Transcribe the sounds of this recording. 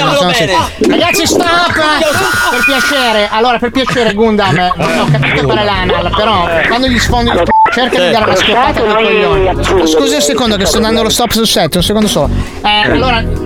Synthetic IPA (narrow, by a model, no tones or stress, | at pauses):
sonsiɾaɡat̪sːist̪apː | perpjat͡ʃeːɾeʔalːoːɾaperpjat͡ʃeːɾeɡund̪amd͡ʒiɔkːapitt̪ofaɾelanalpeɾɔkwand̪oʎisfond̪oilp̪ut͡ʃerkad̪id̪aːɾeunaskopːaːt̪ak̪ikolːonsskuːziũnsekond̪okest̪ɔd̪and̪olost̪ɔpːsusɛt̪ːeunsekond̪osɔ | ɛalːoːɾa